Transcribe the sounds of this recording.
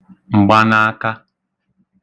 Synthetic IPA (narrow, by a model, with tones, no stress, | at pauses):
ŋ͡m̩˨ɡ͡ba˦na˦a˦ka˦